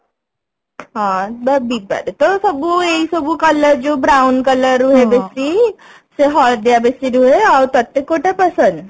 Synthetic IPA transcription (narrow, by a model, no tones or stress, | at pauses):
ɦãbəbiba̰ɾet̪ɔsəbueisəbukələɾd͡ʑobɾawnkələɾuɦebesi | seɦɔld̪jabesiɾuɦeaɾt̪ət̪ːekːoʈepəsənd̪